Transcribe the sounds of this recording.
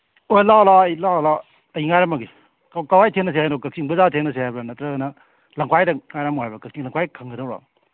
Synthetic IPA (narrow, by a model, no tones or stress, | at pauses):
ojlalaɐjlala | ɐjiŋajɾɐmɐɡi | kkawajtʰeŋnɐs̬ehajnokɐk̚siŋbɐzatʰeŋnɐs̬ehajbɐnɐtɾɐɡɐnɐ | lɐŋkʰwajdɐŋajɾɐmuhajbɐkɐk̚siŋlɐŋkʰajkʰɐŋɡɐdɐwɾa̰